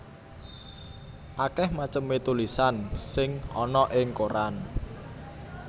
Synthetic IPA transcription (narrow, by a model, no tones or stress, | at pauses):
ʔakɛhmat͡ʃəmet̪ulisansɪŋɔnɔʔɪŋkoɾan